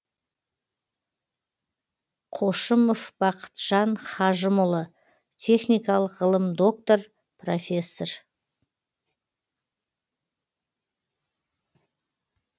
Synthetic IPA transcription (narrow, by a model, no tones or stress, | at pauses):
qʰo̞ʃəmofb̥ɑqʰə̥t̪ʒ̥ɑɴχɑʒəmʊlˠə | t̪ʲʰe̞χnʲijkɑlˠəqʁəlˠəmd̪o̞k̚t̪o̞r | profʲe̞sːor